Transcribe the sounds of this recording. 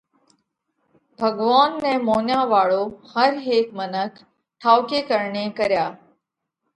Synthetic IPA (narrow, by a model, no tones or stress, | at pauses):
bʱəɡʋaːnːɛ̃ːmoːnjaːʋaːɭoːhəɾɦeːkmənəkʰ | ʈʰaːʊkeːkəɾɳẽːkəɾjaː